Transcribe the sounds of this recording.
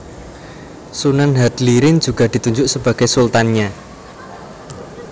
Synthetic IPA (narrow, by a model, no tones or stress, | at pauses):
sunənɦat̪liɾɪn̥d͡ʒ̥ṳɡ̥a̤d̪̥i̤t̪uɲd͡ʒʊʔsəb̥a̤ɡ̥esult̪anɲa